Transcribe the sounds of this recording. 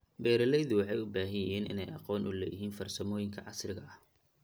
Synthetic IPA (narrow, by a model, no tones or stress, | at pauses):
bɛːɾɐlɛjðʊwɑħɑjʊbaːɦɐjɐjɛːnɪ̰nɛjʔɑ̰qɔːnʔʊlɛːjɪɦiːnfɐrsɐmɔːjɪŋkʰɐʕɑsrɪɣɐʔɐh